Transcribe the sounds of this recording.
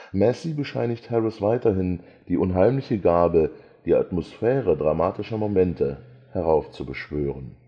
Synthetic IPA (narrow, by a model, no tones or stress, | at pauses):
mɛsibəʃaɪnɪçthɛʁɪsv̥aɪtɐɦɪn | d̥iːʔʊnɦaɪmlɪçəɡaːbə | d̥iːa̰tmosfɛːʁ̞ədʁamaːtɪʃɐmomɛntʰə | hɛʁ̞aʊft͡subəʃv̥øːʁən